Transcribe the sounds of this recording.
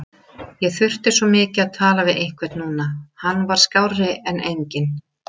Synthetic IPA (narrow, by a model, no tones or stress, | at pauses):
jɛɣθʏr̥t̪ɪ̥svɔmɪːcɪaðt̪ʰaːlavɪðʔejŋ̥kʰvɛt̪nuːnahanːvaɾ̥skawrɪɛnʔejɲcɪn